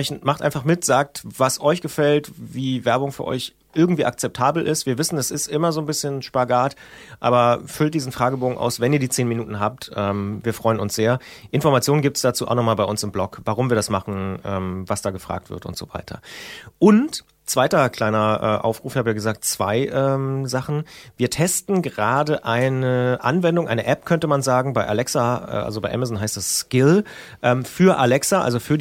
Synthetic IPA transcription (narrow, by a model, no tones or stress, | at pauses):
ɛçnmaχtʔaɪnfaχmɪtz̥aːk̚tv̥asʔɔʏçɡ̥əfɛltviːvɛɐbʊŋfyːɐʔɔ̰ʏç | ʔɪɐɡŋ̩tv̥iːʔa̰k̚t͡sɛp̚tʰaːbl̩ʔɪstv̥iːɐvɪsn̩dasɪstʔɪmɐzoːnbɪsçənʃpaɡaːtʔa̰ːbɐfʏlt̚d̥iːzn̩fʁ̥aːɡəboːɡŋ̩ʔa̰ʊsvɛniːɐdiːt͡seːnminuːtn̩ɦaːp̚tʔɛːmviːɐfʁ̥ɔʏənʊnsz̥eːɐʔɪnfɔɐʁmat͡sjoːnənɡip̚tsd̥at͡suːʔa̰ʊnɔχmaːlbaɪʔʊnsɪmblɔkvaʁʊmviːɐdasmaχn̩ʔɛːmvasd̥aːɡəfʁ̥a̰ːk̚tv̥ɪ̰ɐtʊ̰ntz̥o̰ːv̥a̰ɪtʰɐ̰ʔʊnt | t͡sv̥aɪtɐkʰl̥aɪnɐʔɛ̰ːʔa̰ʊfʁ̥uːfhaːbəjaːɡəzaːk̚tt͡sv̥a̰ɪʔɛːmzaχn̩viːɐtʰɛstn̩ɡəʁaːdəʔaɪnəʔa̰nvɛndʊŋʔaɪnəʔɛpkʰœntəmanzaːɡŋ̩baɪʔa̰lɛksaɛ̰ʔa̰lzobaɪʔɛ̰mazn̩ɦaɪstd̥asskɪl | ʔɛːmfyːɐʔalɛksaʔa̰lzofyːɐ